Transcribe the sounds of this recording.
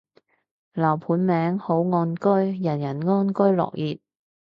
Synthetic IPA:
lɐː˨˩wpʰuː˨˥nmɛː˨˥ŋho˨˥wŋɔː˧nkɵ˥jjɐ˨˩njɐ˨˩nŋɔː˥nkɵ˥ɥlɔ̰ː˨k̚jiː˨t̚

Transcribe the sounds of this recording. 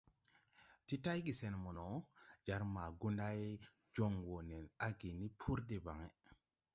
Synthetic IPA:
ti˦ta˦jɡi˨se˨nmu˨no˨d͡ʒa˨˦ɾma˨ɡu˦nda˦j | d͡ʒo˦ŋwo˨ne˨na˦ɡi˨ni˦pʰu˦ɾde˨ba˨ŋe˦

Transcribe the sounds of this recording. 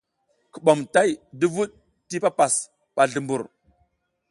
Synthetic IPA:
ku˨ɓo˨mta˦jdi˦vu˦ɗ̚ | ti˦pa˦pa˨s | ɓa˨ɮu˨mbu˨ɾ

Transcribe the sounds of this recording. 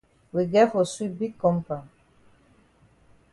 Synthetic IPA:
wi˨ɡɛ˦fo˨swi˦bi˦kːɔ˦mpa˨

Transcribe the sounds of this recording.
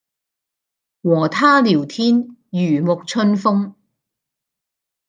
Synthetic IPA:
wɔː˨˩t̪ʰaː˥liː˨˩wt̪ʰiː˥njyː˨˩mʊ˨k̚t͡ʃʰɵ˥nfʊ˥ŋ

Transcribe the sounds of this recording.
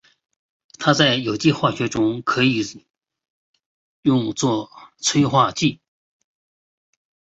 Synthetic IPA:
t̪ʰa˥t͡sa˥˩ɪjo˨˩ʊt͡ɕi˥˧xwa˥˩ɕɥɛ˧˥ʈ͡ʂʊ˥ŋkʰɤ˧˥i˨˩ | jʊ˥˧ŋt͡swɔ˥˧t͡sʰwe˥ɪxwa˥˧t͡ɕi˥˩

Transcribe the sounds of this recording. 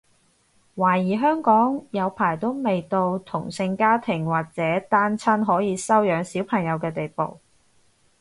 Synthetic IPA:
waː˨˩jiː˨˩ɦœː˥ŋkɔː˨˥ŋjɐ˨˧wpʰaː˨˩jt̪o˥wme˨jt̪o˧wt̪ʰʊ˨˩ŋsɪ˧ŋkaː˥t̪ʰɪ˨˩ŋwaː˨˩k̚t͡sɛː˨˥t̪aː˥nt͡sʰɐ˥nɦɔː˨˥jiː˨˧sɐ˥wjœː˨˧ŋsiː˨˥wpʰɐ˨˩ŋjɐ˨˧wkɛː˧t̪e˨jpo̰˨˩w

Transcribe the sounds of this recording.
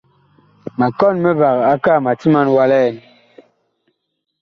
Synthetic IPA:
ma˨kɔ˦˨nmɛ˦va˨ɣa˦ka˦˨ma˨ti˦ma˦nwa˦lɛ˦˨n

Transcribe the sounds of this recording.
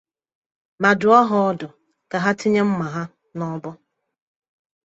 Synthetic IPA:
ma˨dʊ˨˦ɔ˦ɦʊ˨ɔ˦dʊ˨ | ka˨ɦa˦ti˦ɲe˦m̩˦ma˨ɦa˦ | nɔ˦bʊ˦

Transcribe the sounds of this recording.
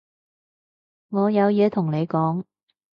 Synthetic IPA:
ŋɔː˨˧jɐ˨˧wjɛː˨˧t̪ʰʊ˨˩ŋne˨˧jkɔː˨˥ŋ

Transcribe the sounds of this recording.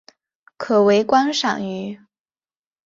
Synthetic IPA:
kʰɤ˨˩we˧˥ɪkwa˥nʂɑ̰˨˩ŋy˧˥

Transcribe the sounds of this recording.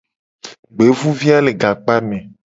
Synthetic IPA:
ɡ͡be˨˦vũ˦vi˦a˦le˨ɡa˨k͡pa˦mẽ˨

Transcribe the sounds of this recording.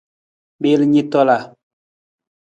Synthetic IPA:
ɓe˦li˦ɲi˦tɔ˦la˨

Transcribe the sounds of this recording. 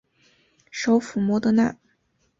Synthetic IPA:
ʂo˧˥ʊfu˨˩mwɔ˥d̪ə˧na̰˥˩

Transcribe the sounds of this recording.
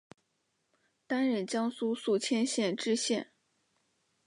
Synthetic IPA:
t̪a˥nɻə˥˩nt͡ɕjɑ˥ŋsu˥su˥˩t͡ɕʰjɛ˥nɕjɛ˥˧nʈ͡ʂɻ̩˥ɕjɛ˥˩n

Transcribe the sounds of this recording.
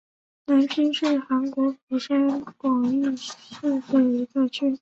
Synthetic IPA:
na˧˥nt͡ɕʰy˥ŋʂɻ̩˥˩xa˧˥nkwɔ˧˥pu˨˩ʂa˥nkwɑ˨˩ŋi˥˧ʂu˥˧tə˥˩i˧˥t͡sɤ˥˧t͡ɕʰy˥˩

